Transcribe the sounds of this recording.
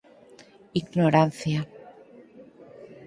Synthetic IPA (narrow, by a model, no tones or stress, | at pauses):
iɡnoɾanθja